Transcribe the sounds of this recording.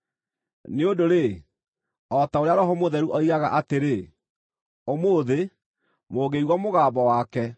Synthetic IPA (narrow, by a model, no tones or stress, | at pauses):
neodoɾe | ɔtaoɾeaɾɔɦɔmoðɛɾuʔɔiɣaɣa̰ʔateɾe | omoðe | moːɣeiɣwɔmoɣaːbɔwaːkɛ